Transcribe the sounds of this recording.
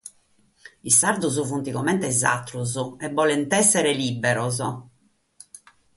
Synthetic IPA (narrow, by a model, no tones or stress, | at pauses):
isaɾd̪uzuvunt̪ikɔmɛnt̪ɛza̰t̪ːɾuzuɛbːɔlɛnt̪ɛsːɛɾɛlibːɛɾɔzɔ